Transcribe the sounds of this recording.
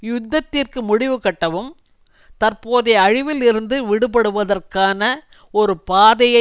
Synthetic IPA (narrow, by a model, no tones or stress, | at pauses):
jʊd̪ːɐt̪ːɪrkɯmʊɽɪʋɯkɐʈːɐʋɯm | t̪ɐrpoːðeɐɻɪʋɪlɪɾɯnd̪ɯʋɪɽɯpɐɽɯʋɐðɐrkaːnɐ | ɔɾɯpaːðɐjɐ